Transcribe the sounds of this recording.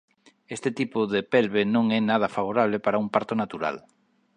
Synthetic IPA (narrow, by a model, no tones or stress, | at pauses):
est̪ɪt̪ipʊðepɛlβenõŋɛnað̞ɐfaβ̞oɾaβ̞lɪpaɾaumpaɾt̪onat̪uɾa̰l